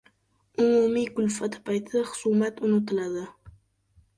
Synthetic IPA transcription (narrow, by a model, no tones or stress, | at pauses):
ʊmumijkʊlfat̪ʰɨ̥pɑjt̪ʰaχʊ̥sumat̪ʊnʊt̪ɨlɑd̪ə